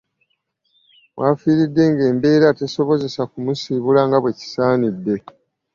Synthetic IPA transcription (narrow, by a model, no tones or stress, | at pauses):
βwaːfiːɾidːe̞ŋɡe̞ːmbe̞ːɾate̞so̞βo̞ze̞sakumusiβulaŋɡaβwe̞ci̥saːnidːe̞